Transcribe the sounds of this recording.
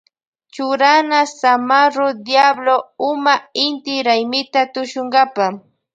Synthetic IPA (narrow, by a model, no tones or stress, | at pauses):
t͡ʃʊɾanasamaɾʊd̪jabloʊmaɪnt̪ɪɾajmɪt̪at̪ʊʃʊɴɢɑpa